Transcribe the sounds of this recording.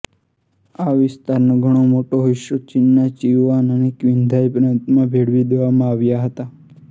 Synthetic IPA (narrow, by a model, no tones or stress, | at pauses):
aʋɪst̪aɾnoɡʱəɽ̃omoʈoɦɪʃot͡ʃɪnːat͡ʃiʋanənekʋɪ̃nd̪ʱajpɾə̃nt̪mãbʱeɽʋid̪eʋamãaʋjaɦət̪a